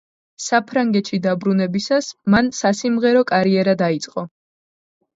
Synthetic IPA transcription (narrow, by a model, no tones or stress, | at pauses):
sapʰɾaŋɡɛt̪ʃid̪abɾunɛbisasmansasimʁɛɾɔkʼaɾiɛɾad̪ait̪sʼqʼɔ